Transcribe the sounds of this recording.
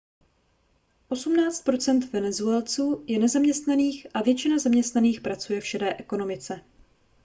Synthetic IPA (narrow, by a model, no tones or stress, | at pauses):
ʔo̞sumnaːt͡st̪̚pɾo̞t͡sɛnt̪vɛnɛzuɛlt͡suːjɛnɛzamɲɛst̪naniːxʔavjɛt͡ʃɪnazamɲɛst̪naniːxpɾat͡sujɛfʃɛdɛːʔɛko̞no̞mɪt͡sɛ